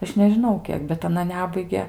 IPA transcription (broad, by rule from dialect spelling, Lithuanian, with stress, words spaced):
ˈɐʃ nʲɛʒʲɪˈnɐʊ ˈkʲiɛk bʲɛt ɐˈnɐ ˈnʲæːbɐɪɡʲɛ